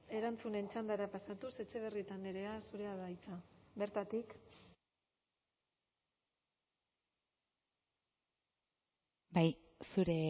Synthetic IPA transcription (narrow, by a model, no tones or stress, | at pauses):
e̞ɾant͡sune̞nt͡ʃand̪aɾapasat̪use̞t͡ʃe̞β̞e̞rit̪aneɾe̞asuɾe̞aðajt͡sabe̞ɾt̪at̪ik | baj | suɾe̞